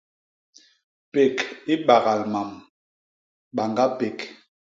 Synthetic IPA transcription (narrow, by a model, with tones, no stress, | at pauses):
pe˨ki˦ɓa˨ɣa˨lma˨m | ɓa˨ŋɡa˦pe˨k